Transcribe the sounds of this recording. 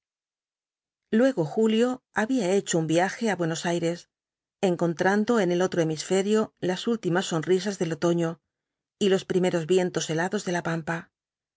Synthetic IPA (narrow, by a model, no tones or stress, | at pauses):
lwe̞ɣo̞xuljo̞aβiae̞t͡ʃoumbiaxe̞aβwe̞no̞sajɾe̞s | e̞ŋko̞nt̪ɾand̪o̞e̞ne̞lo̞t̪ɾo̞emisfe̞ɾjo̞lasult̪imasːo̞nris̬azðe̞lo̞t̪o̞ɲo̞ | ilo̞spɾime̞ɾo̞zβje̞nt̪o̞se̞laðo̞zðe̞lapampa